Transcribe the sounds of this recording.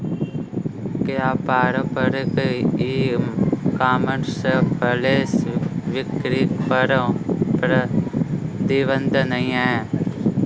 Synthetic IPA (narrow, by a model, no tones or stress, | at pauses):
kjaːpaːɾəpəɾkiː | kaːməɳskəleːsʋɪkɾikpəɾəpɾə | d̪iʋə̃nd̪ənɐĩeː